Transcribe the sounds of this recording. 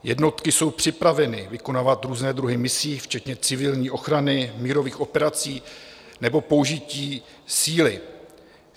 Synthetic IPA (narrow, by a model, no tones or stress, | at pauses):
jɛ̰dno̞t̪kɪso̞wpr̝̥ɪpɾavɛnɪvɪko̞naːvat̪ɾuːznɛːd̪ɾuɦɪmɪsiːft͡ʃɛt̪ɲɛt͡sɪvɪlɲiːʔo̞xɾanɪmiːɾo̞viːxʔo̞pɛɾat͡siː | nɛbo̞pouʒɪciː | siːlɪ